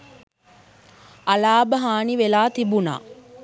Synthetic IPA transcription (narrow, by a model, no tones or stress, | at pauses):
alaːbəɦaːniʋelaːt̪ibuna̰ː